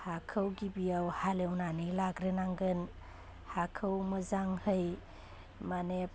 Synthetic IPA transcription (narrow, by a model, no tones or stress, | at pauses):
hakʰəwɡibiawhalewnanilaɡɾenaŋɡɯn | hakʰəwmɐzaŋhɯj | mane